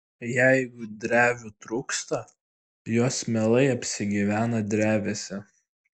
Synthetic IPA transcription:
jæɪɡʊd̪ʲɾʲæːʋʲʊt̪ɾuːkst̪ɐ | joːsmʲɛlˠɐɪɐpʲsʲɪɡʲiːʋʲæːnɐd̪ʲɾʲæːʋʲesʲɛ

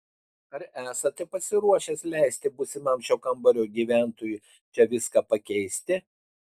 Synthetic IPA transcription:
ɐɾæːsɐt̪ʲɐpɐsʲɪɾuɔʃʲɛslʲɛɪsʲt̪ʲɪbʊsʲɪmɐmʲʃʲoːkɐmbɐɾʲoːɡʲiːʋʲæˑnt̪oːjʊ | t͡ʃʲɛʋʲɪskɑpɐkʲɛɪsʲt̪ʲɪ

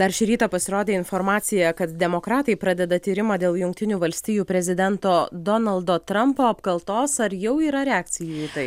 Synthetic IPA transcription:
d̪ɐɾʃʲɪɾʲiːt̪ɐpɐsʲɪɾoːd̪ʲeːɪnfoːɾmɑːsʲɪjɛkɐt̪d̪ʲɛmoːkɾɑːt̪ɐɪpɾɑd̪ʲɛd̪ɐt̪ʲiːɾʲɪmɑːd̪ʲeːlˠjʊŋk̚t̪ʲɪnʲuːʋɐlʲsʲt̪ʲiːjuːpʲɾʲɛzʲɪd̪ʲɛnt̪oːd̪oːnɐlˠd̪oːt̪ɾɐmpoːɐpkɐlˠt̪oːsɐɾjɛʊiːɾɐɾʲɛɑːk̚t̪sʲɪjuːiːt̪ɐɪ

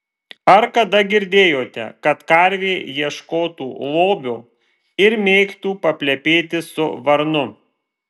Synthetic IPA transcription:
ɐɾkɐd̪ɐɡʲɪɾʲd̪ʲeːjoːt̪ʲɛ̰kɐt̪kɐɾʲʋʲeːjiɛʃkoːt̪uːlˠoːbʲoː | ɪɾmʲeːkt̪uːpɐpʲlʲɛpʲeːt̪ʲɪsʊʋɐɾnʊ

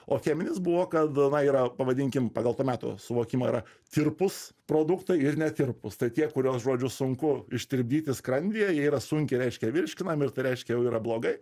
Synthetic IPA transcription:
oːxʲæːmʲɪnʲɪsbʊʋoːkɐt̪nɐiːɾɐpɐʋɐd̪ʲɪŋʲkʲɪmpɑːɡɐlˠt̪uːmʲæːt̪o̰sʊʋoːkʲiːmoːiːɾɐt̪ʲɪrpʊspɾoːd̪ʊkt̪ɐɪɪrnʲɛt̪ʲɪrpʊst̪ɐɪt̪ʲiɛkʊɾʲuɔsʒoːd͡ʒʲʊsʊŋkʊɪʃʲt̪ʲɪɾʲb̚ʲd̪ʲiːt̪ʲɪskɾɐnʲd̪ʲijɛjiɛiːɾɐsʊŋʲkʲɪɾʲɛɪʃʲkʲɛʋʲɪɾʲʃʲkʲɪnɐmɪrt̪ɐɪɾʲɛɪʃʲkʲɛjɛʊiːɾɐblˠoːɡɐɪ

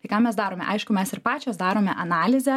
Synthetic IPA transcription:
ɐɪkaːmʲɛsd̪ɑːɾoːmʲɛ̰ʔɐɪʃkʊmʲɛsɪɾpɑːt͡ʃʲoːsd̪ɑːɾoːmʲɛʔɐnɑːlʲɪzʲɛ

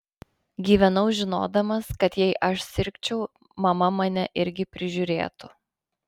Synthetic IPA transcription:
ɡʲiːʋʲɛnɐʊʒʲɪno̰ːd̪ɐmɐskɐt̪jɛɪʔɐʃsʲɪɾʲkʲt͡ʃʲɛʊ | mɐmɐmɐnʲɛʔɪɾʲɡʲɪpʲɾʲɪʒʲʊɾʲḛːt̪ʊ

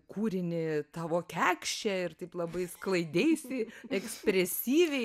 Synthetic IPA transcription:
kuːɾʲɪnʲɪt̪ɑːʋoːkʲæːkʃʲt͡ʃʲɛɪrt̪ɐɪplˠɐbɐɪsklˠɐɪd̪ʲejsʲɪɛksʲpʲɾʲɛsʲiːʋʲɛɪ

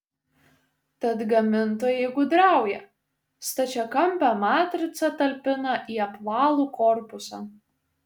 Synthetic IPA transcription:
t̪ɐt̪ɡɐmʲɪnt̪oːjɛɪɡʊd̪ɾɑˑʊjɛ | st̪ɐt͡ʃʲɛkɐmʲpʲæmɑːt̪ʲɾʲɪt̪sɐt̪ɐlʲpʲɪnɐʔiːɐpʋɑːlˠuːkɔɾpʊsɑ̰ː

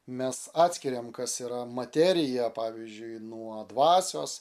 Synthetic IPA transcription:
mʲɛsɑːt̪ʲsʲkʲɪɾʲeːmkɐsiːɾɐmɐt̪ʲæɾʲɪjɛpɑːʋʲizʲd͡ʒʲʊɪnuɔd̪ʋɑːsʲo̰ːs

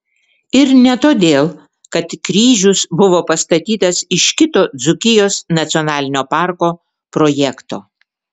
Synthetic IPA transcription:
ɪɾnʲɛt̪oːd̪ʲeːlˠ | kɐt̪kɾʲiːʒʲʊsbʊʋoːpɐst̪ɐt̪ʲiːt̪ɐsɪʃkʲɪt̪oːd̪zʊkʲɪjoːsnɐt̪sʲɪɔnɑːlʲɪnʲoːpɑˑɾkoː | pɾoːjɛkt̪oː

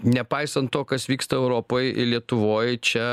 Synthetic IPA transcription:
nʲɛpɐɪsɐnt̪toːkɐsʋʲiːkst̪ɐɛʊɾoːpoːjɪ̰lʲiɛt̪ʊʋoːjt͡ʃʲɛ

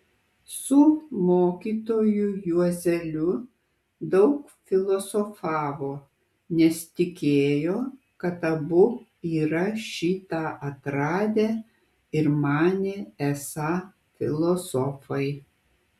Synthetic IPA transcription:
sʊmoːkʲiːt̪oːjujuɔzʲɛlʲʊ | d̪ɐʊk | fʲɪlˠɔsɔfɑːʋoː | nʲɛst̪ʲɪkʲeːjoː | kɐt̪ɐbʊ | iːɾɐʃʲiːt̪ɑʔɐt̪ɾɑːd̪ʲeː | ɪɾmɑːnʲeːɛsɑː | fʲɪ̰lˠɔsɔfɐɪ

